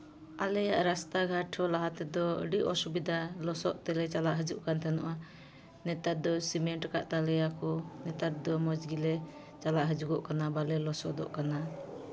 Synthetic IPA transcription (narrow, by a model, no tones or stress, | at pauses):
alɛjaʔɾast̪aɡʱaʈʰɔlaɦat̪ɛd̪ɔə̰ɖiʔɔsubid̪ʱalɔsɔʔt̪ɛlɛt͡ʃalaʔɦəd͡ʒuʔkant̪ʰɛnɔʔa | nɛt̪at̪̚d̪ɔsimɛɳʈka̰ʔt̪alɛjakɔnɛt̪at̪̚d̪ɔmɔd͡ʒɡilɛ | t͡ʃalaʔɦəd͡ʒuɡɔʔkanabalɛlɔsɔ̰ʔd̪ɔ̰ʔkana